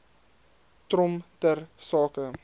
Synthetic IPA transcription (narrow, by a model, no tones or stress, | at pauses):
trɔmtərsɑːkə